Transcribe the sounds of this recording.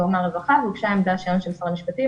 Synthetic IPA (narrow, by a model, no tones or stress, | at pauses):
oʁmaʁevaχavukʃaemd̪aʃionʃelsaʁamiʃpat̪i